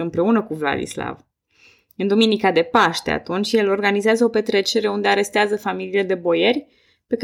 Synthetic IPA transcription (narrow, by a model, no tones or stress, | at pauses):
ɨmpɾe̞unəkuvla̰d̪ḭsla̰v | ɨnd̪ominikad̪e̞paʃt̪e̞a̰t̪unt͡ʃʲje̞lo̞rɡanizeazəo̞pe̞t̪ɾe̞t͡ʃe̞ɾe̞und̪e̞aɾe̞st̪eazəfamiliːle̞d̪e̞bo̞je̞rʲ | pe̞k